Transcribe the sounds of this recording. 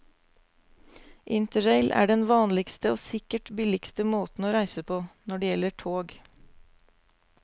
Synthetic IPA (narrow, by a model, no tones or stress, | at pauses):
ʔɪnt̪əɹeɪlʔæ̰ːɖɛnʋɑːnlɪɡst̪əoːsɪkəʈbɪlɪɡst̪əmoːt̪n̩oːɾæɪsəpʰoːnɔɖeːjɛləʈʰoːɡ